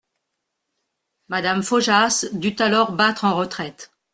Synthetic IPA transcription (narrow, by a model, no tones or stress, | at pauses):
mad̪amfoʒasd̪yt̪alɔʁbat̪χɑ̃ʁət̪χɛt̪